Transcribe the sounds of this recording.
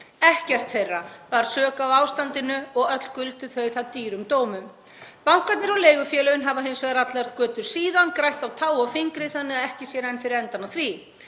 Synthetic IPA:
ɛhcɛr̥t̪θejrːavaɾ̥sœːkawaːwst̪ant̪ɪnʏɔɣœt̪l̥kʏlt̪ʏθœɥθaðt̪iːɾʏmt̪oːwmʏm | pawŋ̥kat̪nɪɾɔleːjɣʏfjɛːlœʏnɦavaɦɪnsvɛðɾat̪laɾð̥kœːt̪ʏɾ̥siːðankɾajht̪awt̪ʰaːwɔfɪŋkɾɪθanːɪaɛhcɪsjɛɾɛjnfɪɾɪɾɛnt̪anːaθvi

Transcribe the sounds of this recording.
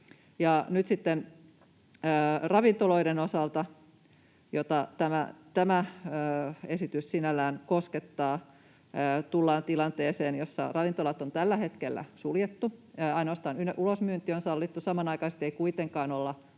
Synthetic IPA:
jɑnyt̪sit̪ːen | rɑʋint̪oloiɾenosɑlt̪ɑ | jot̪ɑt̪æmæt̪æmæː | esit̪yssinælːˑæːnkosket̪ːɑː | t̪ulːɑːnt̪ilɑnt̪eːseːnjosːɑ̰rɑʋint̪olɑt̪ont̪ælːæhet̪kelːæ̰suljet̪ːuɑinoɑst̪ɑːnynʔulosmyːnt̪ionsɑlːit̪ːusɑmɑnɑikɑse̥t̪ːˑeikuit̪eŋkɑːnolːɑ

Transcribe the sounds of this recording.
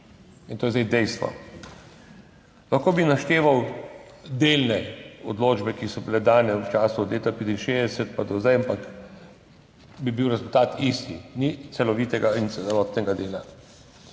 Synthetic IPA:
int̪oːjɛzd̪ɛjd̪ɛjst̪ʋɔ̰ | laxkoːbinaʃt̪eːʋaw | d̪eːlnɛɔd̪loːd͡ʒbɛkisɔbilɛd̪aːnɛwt͡ʃaːsuɔd̪leːt̪apeːt̪inʃeːzd̪ɛsɛt̪̚pad̪ɔzajampak | bibiwɾɛzult̪aːt̪ist̪init̪sɛlɔʋiːt̪ɛɡaint̪sɛlɔːt̪nɛɡad̪eːla

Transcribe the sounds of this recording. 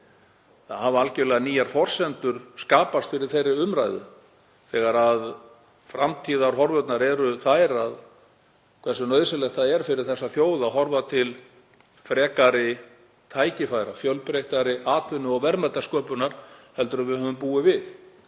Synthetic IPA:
θa̰ðhavʏalcɪlɛɣaniːjaɾ̥fɔr̥sɛnt̪ʏɾ̥skaːpast̪fɪɾɪɾ̥θejrːɪʏmɾajðʏ̰ | θɛːɣaɾað | fɾamt̪ʰiːðaɾɦɔɾvœt̪naɾɛɾʏθajɾað | kʰvɛr̥sʏnœɥðsɪlɛxt̪θaðɛɾ̥fɪɾɪɾ̥θɛsːaθjoːwðaɦɔɾvat̪ʰɪl | fɾɛːkaɾɪ | t̪ʰaːjcɪfajɾafjœlpɾejht̪aɾɪaːt̪lɪnːʏɔɣvɛɾmɛt̪ːaskœːpʏnaɾ̥hɛlt̪ʏɾavɪhɦœːvʏmpuːɪvɪθ

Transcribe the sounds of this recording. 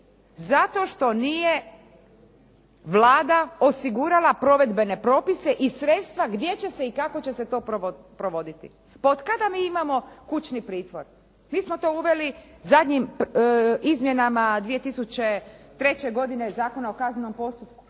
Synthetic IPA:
zat̪o̞ʃt̪o̞nije̞ | ʋlˠaːd̪ao̞siɡuɾalapɾo̞ʋe̞d̪be̞ne̞pɾo̞ːpise̞ʔisɾe̞t̪st̪ʋaɡd̪je̞t͡ɕe̞se̞ikako̞t͡ɕe̞se̞t̪o̞ːpo | pɾo̞ʋo̞d̪it̪ḭ | paod̪kad̪amiːimamo̞kut͡ɕnipɾiːt̪ʋo̞ɾ | miːsmo̞t̪o̞uʋe̞lizad̪ʲɲim | izmje̞namad̪ʋije̞t̪isut͡ɕe̞t̪ɾe̞t͡ɕe̞ɡo̞d̪ine̞zaːko̞naokazneno̞mpo̞st̪upku̥

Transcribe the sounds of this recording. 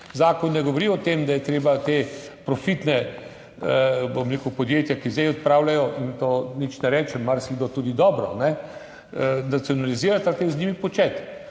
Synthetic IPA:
zaːkɔnːɛɡɔʋɔɾiɔt̪emd̪ajɛt̪ɾeːbat̪epɾɔfit̪nɛ | bomɾeːkupɔd̪jeːt̪jakizd̪ɛjɔt̪̚pɾaːwlajɔʔint̪oːnit͡ʃnɛɾɛːt͡ʃɛmːaɾsiɡd̪ot̪uːd̪id̪ɔːbɾɔ̰nɛ | nat̪siɔnaliziːɾat̪at̪eznʲiːmipɔt͡ʃɛt̪

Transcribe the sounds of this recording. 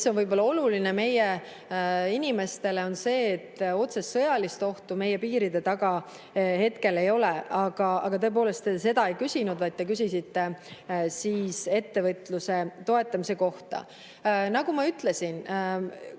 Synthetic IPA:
so̞nvɤjbo̞lːɑo̞lulineme̞je | inʲime̞st̪e̞le̞o̞nse̞ːt̪ːo̞t̪sestːɤ̞jɑlist̪o̞ht̪ume̞je̞piːɾid̪̥e̞t̪ɑɡɑ | he̞t̪ke̞le̞jo̞leɑɡ̥ɑɑ̰ɡ̥ɑt̪ɤ̞e̞p̬o̞ːle̞st̪ese̞d̪ɑe̞jkysʲinud̪vɑjt̪̚ːek̬ys̬ʲisit̪ːe̞siːse̞t̪ːe̞vɤt̪ːˑluse̞t̪o̞e̞t̪ːˑɑmise̞ko̞ht̪ɑ̰ | nɑɡ̥umɑyt̪ˑle̞sin

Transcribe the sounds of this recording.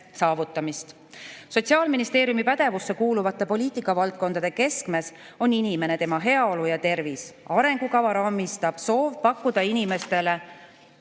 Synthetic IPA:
sɑːvut̪ːˑɑmist̪ | so̞t̪ʲsiɑːlminist̪eːɾjumipæd̪̥e̞vusːe̞kuːluvɑt̪ˑːe̞po̞liːt̪ˑikːˑɑvɑlt̪̚ko̞nd̪̥ɑd̪eke̞skme̞s | o̞ninime̞ne̞t̪e̞mɑɦe̞ɑo̞lujɑt̪e̞rvisɑɾe̞ŋɡ̥ukɑvɑɾɑːmist̪ɑb̥so̞ːvpɑkːˑud̪̥ɑinime̞st̪e̞le̞

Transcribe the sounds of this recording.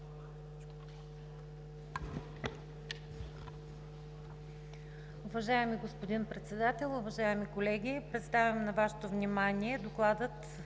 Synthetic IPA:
ʊvɐʒaɛmiɡospod̪inpɾɛt̪sɛd̪at̪ɛlˠʊvɐʒaɛmikolɛɡʲipɾɛt̪st̪avʲɐmnɐvaʃɛ̥t̪ovnʲimaniɛd̪oklˠad̪ɤt̪

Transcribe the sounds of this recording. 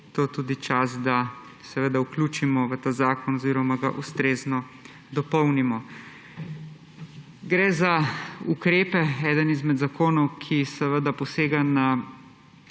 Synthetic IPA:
t̪oːt̪uːd̪it͡ʃasd̪a | sɛʋəd̪aukluːt͡ʃimɔʋət̪aːzaːkɔnɔziːɾɔmaɡaʔust̪ɾeːznɔ | d̪ɔpɔwnimɔ | ɡɾɛzaukɾeːpɛɛːd̪ənizmɛd̪zakoːnɔwkʰisɛʋəd̪apɔseːɡana

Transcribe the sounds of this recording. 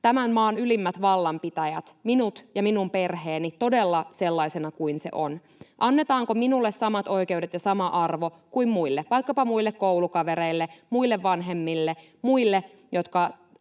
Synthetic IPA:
t̪æmænmɑːnylimːæt̪ʋɑlːɑmpit̪æjæt̪minut̪jɑminumpe̞rheːnit̪o̞delːɑse̞lːɑisenɑkuinse̞̰ʔon | ʔɑnːet̪ɑːŋkominulːessɑmɑt̪o̞ikeudet̪jɑsɑmɑʔɑrʋo̞ | kuimmuilːeʋɑikːɑpɑmuilːekkoulukɑʋeɾeilːemuilːeʋʋɑnɦe̞mːilːe | muilːe | jot̪kɑ

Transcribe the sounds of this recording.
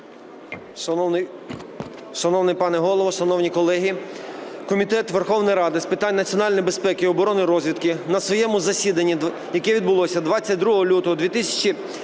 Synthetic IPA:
ʃɐnɔwnɪpɑnɛɦɔlˠɔʋɔʃɐnɔwnʲikɔlˠɛɦʲi | kɔmʲit̪ɛt̪ʋerxɔwnɔjɾɑd̪ɪspɪt̪ɑnʲnɐt͡sʲiɔnɑlʲnɔjbespɛkɪiɔbɔɾɔnɪɾɔzʲʋʲit̪kɪnɐsʋɔjɛmʊzɐsʲid̪ɐnʲːi | jɐkɛʋʲid̪̚bʊlˠɔsʲɐd̪ʋɑt͡sʲːɐt̚ʲd̪ɾuɦɔɦɔlʲut̪ɔɦɔd̪ʋʲit̪ɪsʲɐ̥t͡ʃi

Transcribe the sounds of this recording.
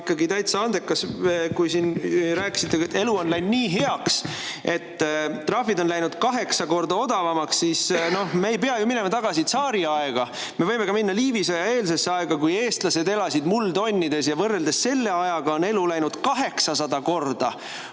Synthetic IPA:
kːˑɑɡit̪æjt̪sɑnd̪̥ekːˑɑskujsinɾæːki̥sit̪ːˑet̪ːe̞luo̞nlæjnniːɦe̞ɑkse̞t̪ːt̪ːrɑfid̪o̞nlæjnud̪̥kɑɦe̞ksɑko̞rd̪ɑo̞d̪̥ɑvɑmɑksːiːsno̞hmeːjpe̞ɑjumine̞mɑt̪ɑɡ̥ɑsit̪sɑːɾiɑeɡ̥ɑ | me̞vɤjme̞ɡɑminːɑliːvisɑjɑe̞ːlsesːeɑeɡ̥ɑkuje̞ːst̪lɑse̞d̪e̞lɑsid̪muld̪o̞nʲːid̪̥e̞sjɑvɤrːe̞ld̪e̞sse̞lːe̞ɑjɑɡ̥ɑo̞ne̞lulæjnud̪̥kɑɦe̞ksɑsɑd̪ɑko̞rd̪̥ɑ

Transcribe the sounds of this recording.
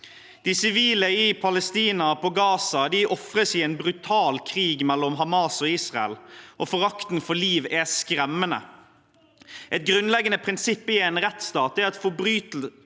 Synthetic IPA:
d̪̥ɪsɪʋiːləɪpʰɑləst̪iːnɑpɔɡɑːsɑd̪ɪʔɔfɾəsɪɛːnbɾʉt̪ʰɑːlkʰɾiːɡmɛlːɔmɦɑmɑːsɔiːsʁɑɛ̰lʔɔfɔɾɑkt̪n̩fɔliːʋæskɾɛmːənə̰ | ʔɛt̪̚ɡɾʉnlɛɡːənəpʰɾɪnsɪpːəɪɛnɾɛt̪st̪ɑːt̪ɛɾɛt̪fɔbɾyːt̪l

